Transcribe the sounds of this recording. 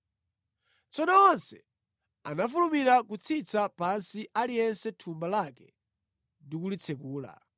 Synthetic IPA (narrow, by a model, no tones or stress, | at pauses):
t͡sɔnɔɔnsɛ | a̰nafulumiɾakut͡sʰit͡sapansiʔalijɛnsɛtʰumbalakɛ | ndikulit͡sʰɛk̬uːla̰